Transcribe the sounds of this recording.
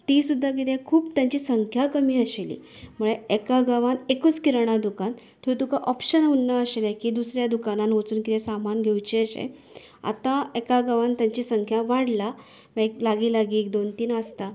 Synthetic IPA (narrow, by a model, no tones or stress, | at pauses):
t̪iːsud̪ʱːak̬it̪ʰɛ̃kʰuːpt̪jãɲt͡ɕiːsəŋkʰjakəmiːəɕelḭː | muɭeekaɡaʋanekut͡skiɾɳ̃ad̪ukan | t̪ʰuit̪ukaʔɔpɕənaunːaəɕelakiːd̪usɾjad̪ukananʋot͡suːnkit̪ʰɛ̃samanɡʱewt͡ɕiəɕḛ | a̰t̪ãekaɡaʋant̪jaɲt͡ɕiːsəŋkʰjaʋaɽla | ʋeklaɡiːlaɡiːek̚d̪ont̪iːnəst̪a